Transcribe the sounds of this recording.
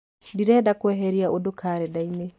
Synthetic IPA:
diɾɛdakwɛɦeɾiaʔodokʰaɾɛdaine

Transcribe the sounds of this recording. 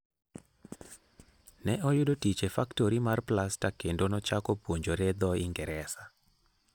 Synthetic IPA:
nɛʔɔjʊdotit͡ʃefaktoɾimarplastakendonɔt͡ʃakopwoɲd͡ʒoɾɛd̪ɔiŋɡɛɾɛsa

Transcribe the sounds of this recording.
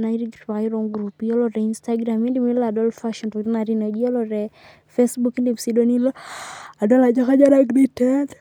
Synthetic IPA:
naiɾiɡɾpaiɾɔŋɡɾupiɔlɔɾɛinstaɡɾamindimiladɔlfaʃɔntukɾinaɾinɔd͡ʒiɔlɔɾɛ | fɛsbukindimsidɔnilaadɔlad͡ʒakad͡ʒaɾaɡɾitɛd

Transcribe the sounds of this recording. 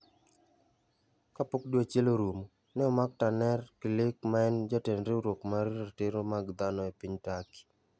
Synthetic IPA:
kapok̚dwat͡ʃeloɾumo | nɛɔmak̚tanɛrkilɪkmaɛnd͡ʒɔtenɾeuɾwokmaɾiɾateɾomaɡd̪anɔepiɲtaki̥

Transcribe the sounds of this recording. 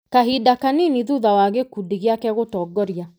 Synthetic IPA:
kaɦidakaniniðuðawaɣekudiɣeakɛɣotɔɡɔɾia

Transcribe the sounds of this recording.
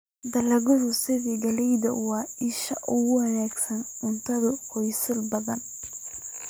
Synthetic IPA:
d̪ɐlɐɣɔðʊsɪðiːɡɐlɛjd̪ɐ̰wɑɪʃɐʔʊɣʊwɐnaːɡsɐnʊnt̪ʰɐðʊqɔjsɪlbɐðɐn

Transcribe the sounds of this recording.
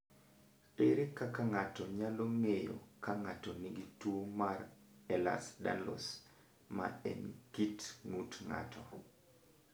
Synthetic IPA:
eɾekakaŋatɔɲaloŋejo̰kaŋatɔnɪɡitwomar | ɛla̰sda̰nlɔ̰s | ma̰ɛ̰nkitŋutŋa̰tʰɔ̰

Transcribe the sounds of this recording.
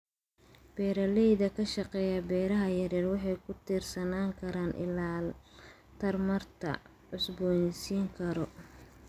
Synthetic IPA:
b̥ɛːɾɐlɛjðɐkʰɐʃɑqɛːjɐbɛːɾɐɦɐjɐɾɛːrwɑħɑjkʰʊt̪ʰiːrsɐnaːŋkʰɐɾaːnʔɪ̰laː | t̪ʰɐrmɐrt̪ʰɐ̰ | ʕʊsbɔːnɪsiːŋkʰɐɾɔ

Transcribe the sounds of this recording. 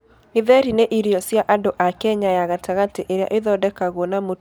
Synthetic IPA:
iðɛɾineʔiɾiɔsjaʔadoʔakɛɲajaɣataɣateʔeɾea̰ʔeðɔdɛkaɣwɔnamo

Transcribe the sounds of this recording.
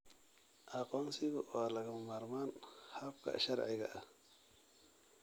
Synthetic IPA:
ʔɐqɔːnsɪɣʊwaːlɐɣɐmmaːɾmaːnhabkʰɐ̰ʃɐɾʕɪɣɐ̰ʔɐ

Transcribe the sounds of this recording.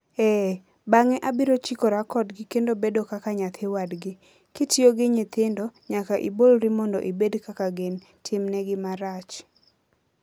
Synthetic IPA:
ɛ | baŋɛʔabiɾot͡ʃikoɾakɔdɡɪkendobedokakaɲat̪ʰɪwadɡɪ | kɪtjoɡɪɲɪt̪ɪndɔɲakaʔḭbolɾɪmɔndɔ̰ʔibedkakaɡen | tʰɪmnɛɡɪmaɾat͡ʃ

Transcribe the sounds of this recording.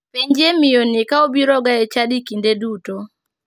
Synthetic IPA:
peɲd͡ʒemɪjonɪkaobiɾɔɡaɛt͡ʃadikindeduto

